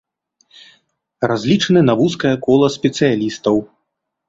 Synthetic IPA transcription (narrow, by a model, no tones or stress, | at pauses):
razʲlʲit͡ʂɐnɨnavuskɐjɐkɔlˠɐsʲpʲɛt̪sɨjalʲist̪ɐw